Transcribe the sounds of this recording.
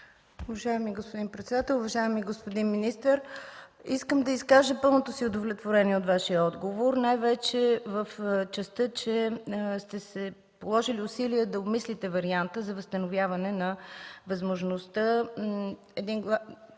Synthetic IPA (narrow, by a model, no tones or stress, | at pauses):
ʊvɐʒaɛmiɡospod̪inpɾɛt̪sɛd̪at̪ɛlˠʊvɐʒajɛmiɡospod̪inminist̪əɾiskəmd̪ɐiskaʒəpɤlˠnot̪osiʊd̪ovlʲɛt̪voɾɛniɛot̪vaʃiəɔd̪ɡovoɾnajvɛt͡ʃɛvəft͡ʃɛst̪ət͡ʃɛst̪ɛsɛ | polˠɔʒiliʊsiliəd̪ɐomislit̪ɛvɐɾiant̪əzɐvəst̪ənovʲjavɐnɛnɐvɐzmoʒnost̪ə | ɛd̪inɡˠa